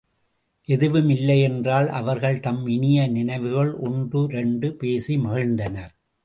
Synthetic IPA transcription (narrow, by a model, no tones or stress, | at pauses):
ʔɛðɯʋɯmɪlːɐɪɛndraːlʔɐ̰ʋɐɾɣɐɭt̪ɐmɪnɪjɐnɪnɐɪʋɯɣɐɭʔɔɳdrɯɾɛɳɖɯpeːsimɐɣɐɻnd̪ɐnɐɾ